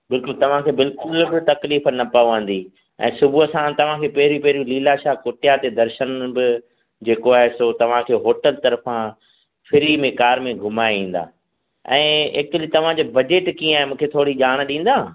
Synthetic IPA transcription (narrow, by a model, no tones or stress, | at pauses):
bɪlkʊlt̪ɐʋ̤ãkʰeːbɪlkʊlbɪt̪ɐkliːfnɐpaːuʋãːn̆d̪i | ɛ̰̃ːsʊbuɦəsãt̪ɐʋ̤ãkʰeːpɐɦɪɾipɐɦɪɾijũliːlaʃaːɦkoːʈɪjat̪ed̪ɐɾʃənbɪ | d͡ʑeːkoaːɦesot̪ɐʋ̤ãkʰeːɦoːʈəlt̪ɐɾfã | fʰɪɾimẽkaːɾmẽɡʱʊmaːeĩːn̆d̪a̰ː | ɛ̰̃ːḛkt̪lit̪ɐʋ̤ãd͡ʑoːbɐd͡ʑeːʈkĩə̃aːɦemũːkʰet̪ʰoːɽiʄaːɽ̃ɗĩːn̆d̪aː